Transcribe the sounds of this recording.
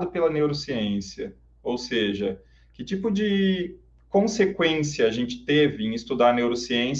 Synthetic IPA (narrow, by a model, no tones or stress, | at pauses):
d̪ʊpelɐnewɾosiẽsiɐ | owseʒɐ | kɪt͡ʃipʊd͡ʒɪ | kõsekwẽsiɐaʒẽnt͡ʃɪ̥t̪evɪẽj̃ɪst̪ud̪aɾnewɾosiẽs